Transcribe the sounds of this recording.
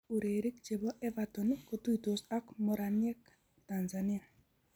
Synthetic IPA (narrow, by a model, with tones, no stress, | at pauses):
u˨ɾe˨ɾi˦kt͡ʃe˨bɔ˦ʔɛ˦vatɔ˨nko˨tu˦i˨to˨sa˦kmɔ˨ɾanjɛ˦k | tanzanɪ˦a˨